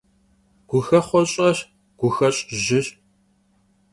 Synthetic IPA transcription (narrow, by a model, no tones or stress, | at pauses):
ɡ̥ʷʊxɐχʷɔɕʼɐɕ | ɡ̥ʷʊxɐɕʼʑɪɕ